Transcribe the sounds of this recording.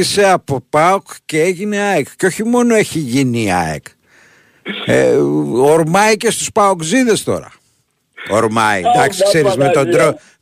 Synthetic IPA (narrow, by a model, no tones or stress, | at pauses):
iseɐpo̞pɐokceeʝine̞ɐekceo̞çimo̞no̞eçiʝiniɐ̰ḛk | ḛoɾmɐicest̪uspɐokziðe̞st̪o̞̰ɾɐ̰ | o̰ɾmɐḭd̪ɐksi̥kse̞ɾizmet̪o̞nd̪ɾo